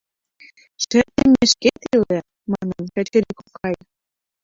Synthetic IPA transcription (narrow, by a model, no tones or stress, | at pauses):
ʃɘ̆t̪emeʃket̪ilĕ | mɑnɤnkæt͡ɕɘ̆ɾikokʰɑj